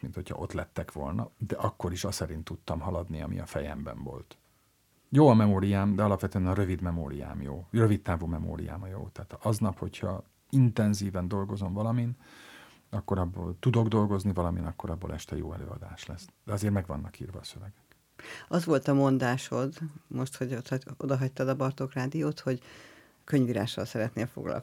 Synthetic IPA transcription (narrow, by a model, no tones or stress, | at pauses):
minho̞cʰhɒ̰ʔo̞t̪lɛt̪ːɛkʋo̞lnɒ̰d̪ɛʔɒkːo̞ɾiʃɒsɛɾint̪ːut̪ːɒmɦɒlɒd̪niɒ̰mḭɒ̰fɛjɛ̰mbɛ̰ɱvo̞̰lt̪ | joːɒmɛmoːɾijaːmd̪ɛɒlɒpvʋɛt̪øɛnɒɾø̞vid̪mɛmo̰ːɾija̰ːmjo̰ːrøvit̪ːaːvumɛmo̰ːɾḭja̰ːmɒjo̰ːt̪aːt̪ʰɒznɒpho̞chɒ | int̪ɛnziːvɛnd̪o̞lɡo̞zo̞ɱvɒlɒmin | ɒkːo̞ɾɒbːo̰ːlt̪ud̪o̞ɡd̪o̞lɡo̞znivɒlɒmḭnɒkːo̞ɾɒbːo̰ːlʔɛʃt̪ɛjo̰ːɛ̰lø̰ːɒ̰d̪a̰ːʃlɛsd̪̥ɛɒzeːrmɛɡvɒ̰nːɒkḭːrvɒːsøvɛɡɛk | ɒzʋo̞lt̪ɒmo̞nd̪aːʃhod̪mo̞ʃt̪hoɟot̪od̪ɒɦɒct̪ɒd̪ɒbɒrt̪o̞kraːd̪ijoːt̪ho̞ɟ | kø̞ɲviɾa̰ːʃɒlsɛɾɛt̪neːlfoɡlɒ̰l